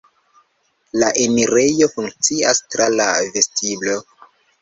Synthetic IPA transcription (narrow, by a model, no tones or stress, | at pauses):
laʔe̞miɾe̞jo̞fuŋk̚t͡siastɾalave̞stʰiblo̞